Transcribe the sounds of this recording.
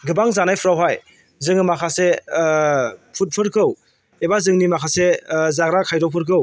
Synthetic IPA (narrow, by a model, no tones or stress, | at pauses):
ɡɯbaŋzanajpʰɯɾawɦaj | zɯŋɯmakʰase | pʰut̚pʰɯɾkʰɯw | ebazɯŋnimakʰasezaɡɾakʰajɾɔpʰɯɾk̬ʰɯw